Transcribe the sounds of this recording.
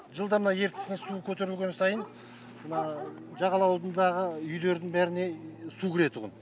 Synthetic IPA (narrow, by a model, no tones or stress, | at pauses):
ʒəlˠd̪ɑmənɑje̞ɾt̪ɪ̥sɪnsukʲʰɵt̪e̞ɾɪlɡʲe̞nsɑjən | mənɑʒɑʁɑlˠɑwld̪ənd̪ɑʁəʏjle̞ɾd̪ɪŋbæɾɪne̞sukʲɪɾe̞t̪ʰʊʁə̰n